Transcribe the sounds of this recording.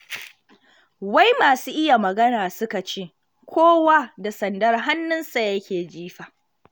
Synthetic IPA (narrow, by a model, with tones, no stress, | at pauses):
wa˦jmaː˨suː˦ʔɪ˦ja˨mɐ˨ɡɐ˦naː˨sʊ˦ka˨t͡ʃeː˦˨ | kʷʰoː˦waː˦da˨sɐ˨ndɐ˦rɦa˦nːʊ˦nsa˨jɐ˦kʲeː˨d͡ʒiː˦ɸaː˨